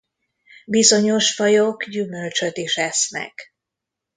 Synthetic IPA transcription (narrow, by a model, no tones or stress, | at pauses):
bizo̞ɲo̞ʃfɒjoɡɟymølt͡ʃøt̪iʃɛsnɛ̰k